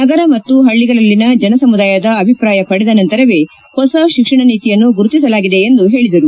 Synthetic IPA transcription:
nɐɡɐɾɐmɐt̪ːuɦɐɭːiɡɐɭɐlːinɐd͡ʒɐnɐsɐmud̪aːjɐd̪ɐːbʱipɾaːjɐpɐɽɛd̪ɐnɐnt̪ɐɾɐʋe̞ː | hɔsɐʃikʂɐɳɐniːt̪ijɐnːuɡuɾut̪isɐlaːɡid̪e̞end̪uɦe̞ːɭid̪ɐɾu

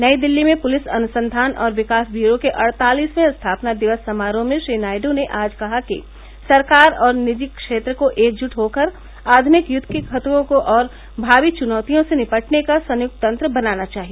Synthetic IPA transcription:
nɐid̪ɪlːimẽpʊlɪsɐnʊsə̃nd̪ʱaːnʔɔ̰ːɾʋɪkaːsbjuːɾokeʔɐɽt̪aːliːsmẽɐst̪ʰaːpnad̪ɪʋəsːɐmaːɾõmẽʃɾiːnaːɪɖoneʔaːd͡ʒkɐɦakḭ | sɐɾkaːɾɔːɾnɪd͡ʒɪkːʃeːt̪ɾəkoʔeːk̚d͡ʒʊʈɦoːkəɾ | aːd̪ʱmɪkjʊd̪ʱkekʰɐt̪kõkoʔɔːɾ | bʱaːʋit͡ʃʊnɔːt̪ijõsenɪpəʈnekasɐ̃njʊk̚t̪ɐ̃nt̪ɾəbɐnaːnat͡ʃaːɦie

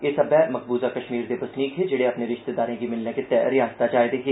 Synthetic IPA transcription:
esɐbɛːmɐk̚buːzakɐʃmiːɾd̪ebɐsniːk̪ʰed͡ʒeːɽeɐpneɾɪʃt̪ed̪aːɾẽːkimɪlneket̪ɛɾɪjãːzt̪ad͡ʒaːjd̪eːki

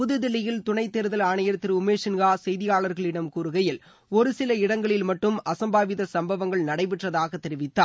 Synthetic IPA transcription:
pʊðɯðɪlɐjɪlt̪ʊɳɐɪt̪ːɛɾɯðɐlaːɳɐjɐɾt̪ːɪɾʊmeːʂɪnɡaːsɛjðɪjaːɭɐɾɣɐɭɪɽɐmkuːɾɯɣɐjɪl | ɔɾɯsɪlɐɪɽɐŋɡɐɭɪlmɐʈːɯmɐsɐmbaːʋɪðɐsɐmbɐʋɐŋɡɐɭnɐɽɐɪpɪʈrɐðaːɣɐt̪ːɛɾɪʋɪt̪ːaːɾ

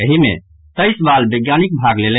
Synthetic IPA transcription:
əɦimḛ | t̪əjsbalbəɡjanik̚bʱaɡlele

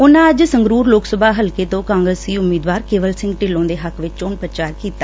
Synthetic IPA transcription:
ʊnãːəd͡ʒsəŋɡɾuːɾloːksəbʱaːɦəlkeːt̪õːkaːŋɡɾəsiːʊmiːd̪ʋaːɾkeːʋəlsɪ̃ŋɡʈɪlõːd̪eːɦəkʋɪt͡ʃt͡ʃoːnpɾət͡ʃaːɾkiːt̪aː

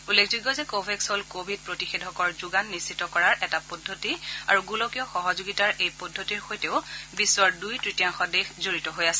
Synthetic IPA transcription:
ulːekʰzuɡɔzɛkobʱɛksɔlkobʱid̚pɹotixedʱɔkɔɹzuɡanːisːitːɔkɔɹaɹɛtapɔdʱotia̰ɹuɡulɔkijɔxɔɦɔzoɡitaɹejpɔdʱːotiɹxojteʊbisːɔɹdujtɹitijaŋxɔdexzoɹitɔɦojasɛ

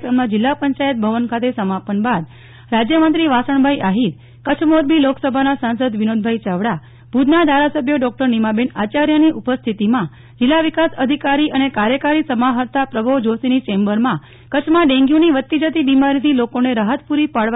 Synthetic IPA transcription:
kɾəmnãd͡ʒɪlːapəɲt͡ʃajət̪̚bʱəʋənkʰat̪esəmapənbad̪ | ɾad͡ʒjəmənt̪ɾiʋasəɳ̃bʱaiʔaɦit̪ | kət͡ʃʰmod̪̚biloksəbʱanasãnsəd̪ʋinod̪bʱait͡ʃaʋɽa | b̥ʱud̪nad̪ʱaɾasəbʱjəɖɔk̚ʈəɾnimabenat͡ʃaɾjəniʔupəst̪ʰit̪imã | d͡ʒɪlːaʋikasəd̪ʱikaɾiʔənekaɾjəkaɾisəmaɦəɾt̪apɾəbʱoʋd͡ʒosinit͡ʃẽmbəɾmã | kət͡ʃʰmãɖẽŋɡjũniʋət̪ːid͡ʒət̪ibimaɾit̪ʰilokoneɾaɦət̪puɾipaɭ

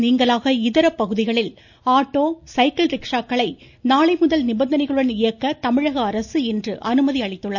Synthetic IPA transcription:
niːŋɡɐɭaːɣɐɪðɐɾɐpːɐɣɯðɪɣɐɭɪl | aːʈːoːsɐɪkɐlɾɪkʂaːkːɐɭɐɪ | naːɭɐɪmʊðɐlnɪbɐnd̪ɐnɐɪɣɐɭɯɽɐnɪjɐkːɐt̪ɐmɪɻɐɣɐːɾɐsɯɛndrɯʔɐnɯmɐðiɐɭɪt̪ːɯɭːɐ

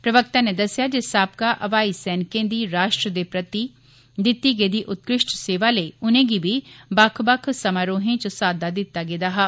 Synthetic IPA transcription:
pɾəʋək̚t̪ãːneːd̪əsɪjaːd͡ʒesaːp̚kaʔɐʋaːisɛːnkẽːd̪iːɾaːʃʈɾəd̪eːpɾət̪iː | d̪ɪt̪ːiːɡeːd̪iːʔʊt̪kɾɪʃʈseːʋaːleːʊnẽːɡibiːbəkʰbəkʰsəmaːɾoːɦẽt͡ʃəsaːd̪aːd̪ɪt̪ːaːɡed̪aːɦaː

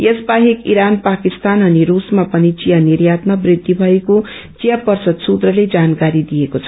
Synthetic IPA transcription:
jesbaɦekḭɾanpakist̪anʌniɾusmapʌnit͡sijanirjat̪nʌbrid̪ːibʱʌeko | t͡sijapʌrsʌd̪sut̪rʌled͡zankaɾid̪ijekot͡sʰʌ̥

